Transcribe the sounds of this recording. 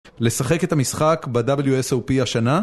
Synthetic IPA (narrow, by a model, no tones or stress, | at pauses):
le̞saχe̞ke̞t̪hamisχakbadabljuesowpiaʃana